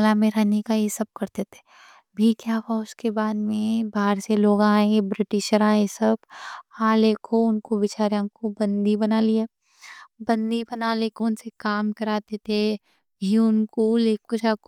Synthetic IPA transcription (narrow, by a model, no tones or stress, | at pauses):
lamẽɾɛɦnekajesɐb̚kɐɾt̪et̪ʰe̥ | bʱikjaːʋaʊskebaːd̪mẽbaːɾseloːɡãːẽebɾɪʈɪʃəɾãjesɐbhãleːkʰoʊnkoʋɪt͡ʃaːɾjãkobɐ̃nd̪ibɐnaːlieː | bɐ̃nd̪ibɐnaːlekɔːnsekaːmkɐɾaːt̪et̪ʰe | juʊnkoleːkot͡ʃak